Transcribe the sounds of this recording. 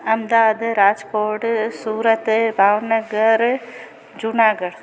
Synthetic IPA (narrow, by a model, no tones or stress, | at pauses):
ɐmd̪aːd̪ɾaːd͡ʒkoːʈsuːɾət̪bʱaːʋnəɡəɾ | d͡ʒʊnaːɡəɽ